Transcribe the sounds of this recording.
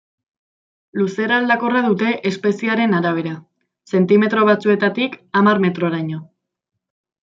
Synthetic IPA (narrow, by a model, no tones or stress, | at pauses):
luse̞ɾald̪ako̞raðut̪e̞ʔespe̞siaɾe̞naɾaβ̞e̞ɾa | se̞nt̪ime̞t̪ɾo̞βat͡sue̞t̪at̪ikamarme̞t̪ɾo̞ɾaɲo̞